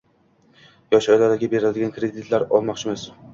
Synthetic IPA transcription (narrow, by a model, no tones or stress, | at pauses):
jɒʃɒjlad̪aɡʲɪbe̞ɾɪld̪ɪɡʲankɾe̞d̪ɪt̪ʰlaɾɒlˠmɒqt͡ʃʰɪmas